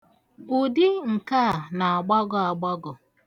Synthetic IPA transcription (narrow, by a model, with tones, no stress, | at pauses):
u˨dɪ˦ŋ̩˨ka˦˨na˨a˨ɡ͡ba˦ɡʊ˨a˨ɡ͡bɔ˦ɡʊ˨